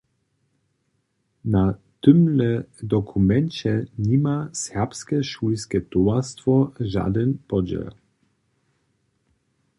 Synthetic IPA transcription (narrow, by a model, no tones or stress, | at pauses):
na | t̪ʏmlɛd̪ɔkʰumɛnt͡ɕɛɲimasɛʁpskɛʃujskɛt̪ɔast̪vɔʒa̰d̪ɛnpɔd͡ʑɛ̰l